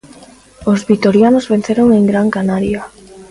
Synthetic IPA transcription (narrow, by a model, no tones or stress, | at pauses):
ozβit̪oɾjanozβenθeɾoŋeŋɡɾaŋkanaɾja